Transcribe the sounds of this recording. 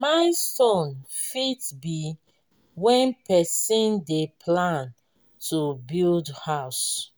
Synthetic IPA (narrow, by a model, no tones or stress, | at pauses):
maɪstɔ̃nfitbi | wɛ̃npɛsĩndepʰlãn | tubildhaʊs